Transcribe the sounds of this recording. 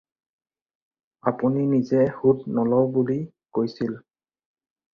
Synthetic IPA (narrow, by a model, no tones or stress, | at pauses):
apuninizɛhutnɔlɔwbuli | kojsil